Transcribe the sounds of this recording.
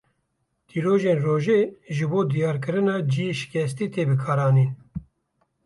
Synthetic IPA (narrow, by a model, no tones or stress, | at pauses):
t̪ʰiːɾoːʒeːnroːʒeːʒɨboːd̪ijɑːɾk̬ɨɾɨnɑːd͡ʒijeʃɪ̥kʲɛst̪iːt̪ʰeːbɨkʰɑːɾɑːniːn